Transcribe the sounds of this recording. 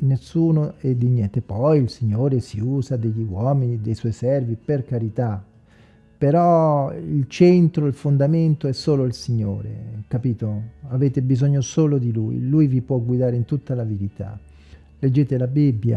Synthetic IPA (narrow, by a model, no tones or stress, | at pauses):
nesːuːnoɛd̪injɛnt̪epɔjilsiɲːoːɾesiuːzad̪eʎːiwɔːminid̪ejswɔjsɛrviperkaɾit̪a | peɾɔilt͡ʃɛnt̪ɾoilfond̪ament̪oɛsːoːloilsiɲːo̰ːɾḛkapiːt̪oaveːt̪ebizɔɲːosoːlod̪ilṵjlujvipwɔɡwid̪aːɾeint̪ut̪ːalaveɾit̪a̰ | led͡ʒːeːt̪elabibːja̰